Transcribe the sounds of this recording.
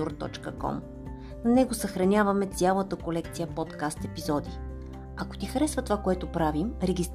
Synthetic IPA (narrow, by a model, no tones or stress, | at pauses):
uɾt̪ɔ̰t͡ʃkəkɔ̰m | nnɛɡosəxɾɐnʲavɐmɛt̪sʲjalˠət̪əkolɛkt̪sijəpɔt̪kast̪ɛpizɔd̪i | ɐko̥t̪ixɐɾɛsvət̪ovakoɛt̪opɾavimɾɛɡʲist̪